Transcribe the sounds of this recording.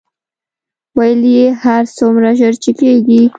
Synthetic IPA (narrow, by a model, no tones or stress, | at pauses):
wajəlijehaɾsomɾaʒəɾt͡ʃekeɡi